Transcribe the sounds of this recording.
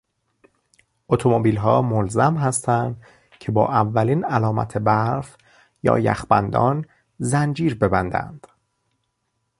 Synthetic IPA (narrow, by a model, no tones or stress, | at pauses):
ʔot̪ʰomobiːlɦɒːmolzæmɦæst̪ʰænd̪ | cʰe̞bɒ̰ːʔævːæliːnælɒːmæ̰t̪ʰe̞bæɾf | jɒ̰ːjæ̰xbæ̰nd̪ɒ̰ːn | zænd͡ʒiːɾbe̞bænd̪æ̰nd̪̥